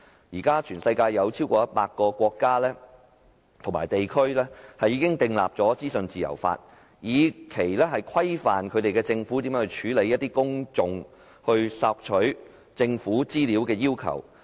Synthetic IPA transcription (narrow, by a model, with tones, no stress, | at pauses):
jiː˨˩kaː˥t͡ʃʰyː˨˩nsɐ˧jkaː˧jːɐ˨˧wt͡sʰiː˥wkɔː˧jɐ˥t̚paː˧t̚kɔː˧kʷɔː˧kːaː˥lɛː˥ | t̪ʰʊ˨˩ŋma̰ː˨˩jt̪e˨jkʰɵ˥ɥlɛː˥hɐ˨jːiː˧kɪ˥ŋt̪ɪ˨˧ŋla̰ː˨p̚t͡sɔː˨˥t͡siː˥sɵ˨nt͡siː˨jɐ̰˨˩wfa̰ː˧t̚ | jiː˨˧kʰe˨˩jlɛː˥ɦɐ˨jkʰɐ˥jfaː˨nkʰɵ˨˧ɥt̪e˨jkɛː˧t͡sɪ˧ŋfuː˨˥t̪i˨˥mjːhɵ˧t͡ʃʰyː˨˥le˨˧jɐ˥t̚t̪iː˥kʊ˥ŋt͡sʊ˧ŋ | hɵ˧ɥsaː˧k̚t͡ʃʰɵ˨˥ɥ | t͡sɪ˧ŋfuː˨˥t͡siː˥liː˨˥wkɛː˧jiː˥wkʰɐ̰˨˩w